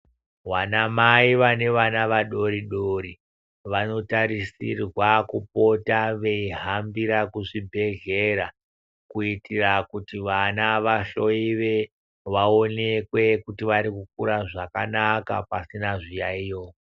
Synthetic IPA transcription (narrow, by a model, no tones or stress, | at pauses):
wanamaiʋane̞ʋanaʋaɗo̞ɾiɗoɾi | ʋano̞taɾisirwakupo̞taʋe̞iɦambiɾakuʐibʱe̞ɣe̞ɾa | kuitirakutiʋanaʋaɬo̞iʋe̞ | ʋao̞ne̞kwe̞kutiʋaɾikuk̚uɾaʐakanaka̰pasinaʐijaijo